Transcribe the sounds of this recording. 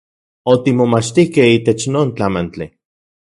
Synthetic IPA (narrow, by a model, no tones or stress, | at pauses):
ot̪imomat͡ʃt̪ihkehiːt̪et͡ʃnoːnt͡ɬamant͡ɬi